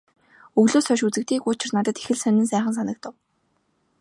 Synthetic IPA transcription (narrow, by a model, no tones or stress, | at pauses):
ɵɣɮoːsœʃut͡sɘ̆k̚t̪iːkʊt͡ɕɪ̆rnat̪ə̆t̪e̥xɘ̆ɮsœnʲɘ̆ns̬æːχə̆ns̬anə̆k̚t̪ʊ̆w